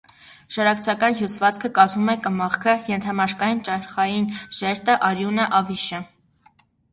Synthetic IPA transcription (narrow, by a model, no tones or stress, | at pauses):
ʃɑɾɑkt͡sʰɑkɑnɦjusvɑt͡skʰəkɑzumɛkəmɑχkʰəjɛnt̪ʰɑmɑʃkɑjint͡ʃɑɾχɑjinʒɛɾt̪əʔɑɾjunəʔɑviʃə